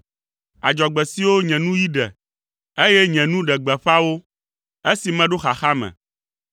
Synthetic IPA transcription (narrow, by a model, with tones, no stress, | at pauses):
a̰˨d͡ʒɔ˨ɡ͡bɛ˨si˦wo˦ɲɛ̃˨nũ˦ji˦ɖɛ̰˨ | e˦jɛ˦ɲɛ̃˨nũ˦ɖɛ˨ɡ͡bɛ˨ɸa˦wo˦ | e˦si˨mɛ̃˦ɖo˦xa˨xa˦mɛ̰̃˨